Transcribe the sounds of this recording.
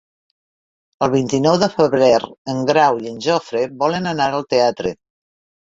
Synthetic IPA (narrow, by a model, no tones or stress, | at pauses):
əlˠβint̪inɔwðəfəβɾɛɾəŋɡɾawiənʲʒɔfɾebɔlənənaɾəlˠt̪eat̪ɾə